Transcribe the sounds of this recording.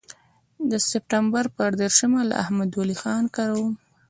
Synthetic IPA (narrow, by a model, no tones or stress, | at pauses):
d̪əsɪp̚ʈambaɾpəɾd̪eɾʃəmala̰ʔa̰hmad̪walixɑnkaɾawum